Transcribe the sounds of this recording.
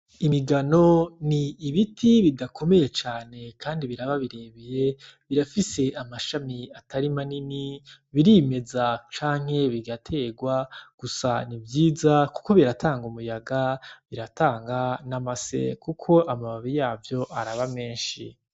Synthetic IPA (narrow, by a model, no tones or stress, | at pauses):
imiɡano̞niːβitʰiβidakʰo̞me̞je̞t͡ʃaːne̞kaːndiβiɾaβaβiɾe̞βeje̞ | βiɾafise̞amaʃamiatʰaɾimanini | βiɾime̞zat͡ʃaːŋ̥he̞βiɡatʰe̞ːɡwaɡ̥usa̰nivjiːzaku̥ko̞βiɾatʰaːŋɡumujaɡaβiɾataːŋɡanamase̞̰kukʰo̞ʔamaβaβijaːvjo̞ʔaɾaβame̞ːnʃḭ